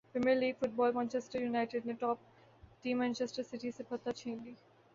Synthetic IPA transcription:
pɾɛmiəɾliːɡfʊʈ̚bɔːlmɛ̃ːnt͡ʃesʈəɾjunaɪʈeɖnɪʈɔːp | ʈĩːmɛ̃ːnt͡ʃesʈəɾsɪʈisepʰɐt̪ːat͡ʃʰẽːnd̪i

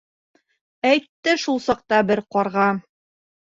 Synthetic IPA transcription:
æjt̪ːɘʃulˠsɒq̚t̪ɑbɘɾqɒɾʁɑ

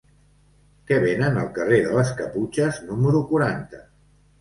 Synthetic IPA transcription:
kɛβenənəlˠkəreðələskəput͡ʃəznuməɾukuɾant̪ə

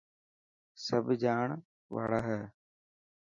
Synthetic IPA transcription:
səbd͡ʒaːɳ | ʋa̰ːɭaːɦɛː

